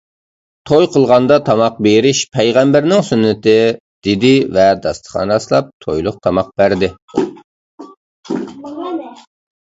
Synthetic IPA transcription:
t̪ʰojqʰəlˠʁɑnd̪ɑt̪ʰɑmɑq̚beɾɪʃpʰɛjʁɛmbæɾnɪŋsynːɪt̪ɪ | d̪̥ɪd̪ɪvɛd̪ɑst̪ʰə̥χɑ̰nɾɑslˠɑp̚t̪ʰojlˠʊq̚t̪ʰɑmɑq̚b̥æɾd̪ɪ

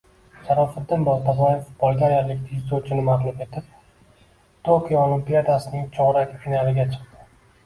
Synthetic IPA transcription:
ʃaɾɒfɪd̪ːɪnbɒzbazaefʊ̥t̪̚bɒlˠɡʲaɾjaɾlɪkʲt̪ʰɪɪzot͡ʃʰɪnɪmaʁlˠʊme̞t̪ʰɪp̚ | t̪ʰokʲijoolɪmpijad̪asɪnɪŋt͡ʃʰɒʁɾakʲfinalˠɪɡʲat͡ʃʰɨ̥q̚t̪ɪ̥

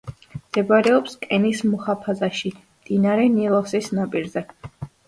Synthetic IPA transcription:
md̪̥ɛbaɾɛɔpskʼɛnismuχapʰazaʃimd̪inaɾɛnilˠasisnapʼiɾzɛ

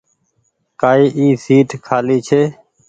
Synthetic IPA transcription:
kaːiːʔiːsiːʈkʰaːliːt͡ʃʰeː

